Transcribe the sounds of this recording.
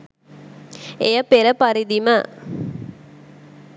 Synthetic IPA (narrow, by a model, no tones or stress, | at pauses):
eɐpeɾɐpɐɾid̪imɐ